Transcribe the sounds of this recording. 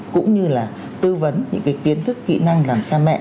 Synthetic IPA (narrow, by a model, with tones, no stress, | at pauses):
kʊ̰˧˥ŋ͡mɲɨ˧laː˨˩ | t̪ɨ˧və˨˦nɲɨ̰˧˥ŋkaː˨˦jki˨˦ənt̪ʰɨ˦˥kːḭ˧˨na˧ŋlaː˨˩msaː˧mɛ̰˧˨ʔ